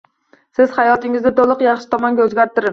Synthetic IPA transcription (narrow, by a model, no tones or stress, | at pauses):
sɪz̥χɑjɒt̪ɪŋɪzd̪ɪt̪olˠɨqjɑχʃɪ̥t̪ʰɒmɒŋɡʲaɵzɡʲaɾt̪ɪɾɪ